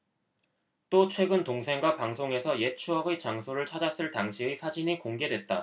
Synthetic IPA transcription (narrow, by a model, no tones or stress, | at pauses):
t͈ot͡ɕʰwe̞ɡɯntoŋsʰe̞ŋɡwapaŋsʰoŋe̞sʰʌje̞t͡ɕʰuɦaɡet͡ɕaŋsʰoɾɯɭt͡ɕʰad͡ʑas͈ɯɭtaŋɕʰiɯsʰad͡ʑiɲikoŋɡe̞dwe̞t̚t͈a